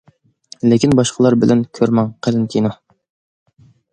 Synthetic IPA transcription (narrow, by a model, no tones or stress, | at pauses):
lɪkʲʰinbɑʃqʰəlˠɑɾbɪlʔɛnkʲʰøɾmɑŋqʰəlɪnt̪ʲʰinu